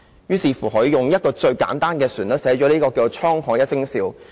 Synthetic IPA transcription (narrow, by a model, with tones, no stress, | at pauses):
jyː˥siː˧fuː˨˩ɦɵ˨˥jʊ˨ŋjɐ˥t̚kɔː˧t͡ʃɵ˧ɥka̰ː˨˥nt̪aː˥nkɛː˧syː˨˩nlɐ˨˥sɛː˨˥t͡ʃɔː˨˥liː˥kɔː˧kiː˧˨t͡ʃʰɔː˥ŋhɔː˧˥jɐ˥sɪ˥ŋsiː˨˧w